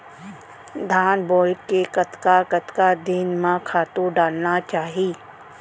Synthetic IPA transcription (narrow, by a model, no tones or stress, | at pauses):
d̪ʱaːnbɔːlkekɐt̪kakət̪kad̪inmãkʰaːt̪õɖaːlnat͡ʃaːɦiː